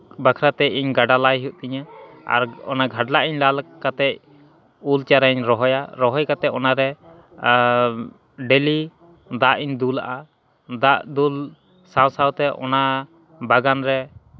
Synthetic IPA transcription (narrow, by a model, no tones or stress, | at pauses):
bakʰɾat̪ɛʔiɲɡaɖalajɦuʔ̚t̪iɲa | a̰ɾɔ̰naɡʱaɖlaʔiɲlalkat̪ɛc̚ | ult͡ʃaɾaɲɾɔɦɔjaɾɔɦɔjkat̪ɛʔ̚ɔnaɾɛ | ɖɛli | d̪aʔiɲd̪ula̰ʔa | d̪aʔd̪ul | sawsawt̪ɛʔɔ̰na | baɡanɾɛ